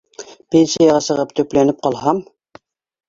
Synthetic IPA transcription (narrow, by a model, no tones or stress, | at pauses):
pʲenʲsijɑʁɑsɤ̆ʁɤpt̪ʰɵ̆plænɘp̚qɑlˠhɑm